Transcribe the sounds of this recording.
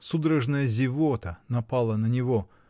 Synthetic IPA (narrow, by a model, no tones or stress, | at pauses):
sud̪ɾəʐnəjəzʲɪvot̪ənɐpalˠənənʲɪvo